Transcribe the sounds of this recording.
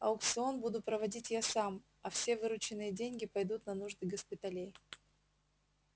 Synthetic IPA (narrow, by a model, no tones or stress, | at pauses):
ɐʊkt̪sɨo̞nbud̪ʊpɾəvɐdʲitʲjasam | ɐfsʲe̞vɨɾʊt͡ɕɪnːɨjədʲenʲɡʲɪpɐjd̪ut̪nɐnuʐd̪ɨɡəspʲɪt̪ɐlʲej